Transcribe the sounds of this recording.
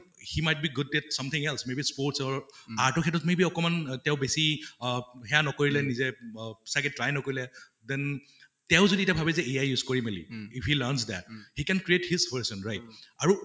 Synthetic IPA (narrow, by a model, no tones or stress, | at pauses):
himajt̚biɡʊd̚ːɛtsʌ̃mt̪ʰɪ̃ŋɛlsmebispoɹtsɔɹaɹtɔkʰɛtɔtmebiɔkɔmantɛʊbesi | hɛjanɔkoɹilɛnizɛsaɡɛtɹajnɔkoɹilɛ | d̪ɛ̃n | tɛʊ̃zodiɛtjabʱabɛzɛejajjuzkoɹimɛlḭifhilansd̪ɛ̰t̚hikɛnkɹiethizvəɹsɔ̃nɹajt̚aɹu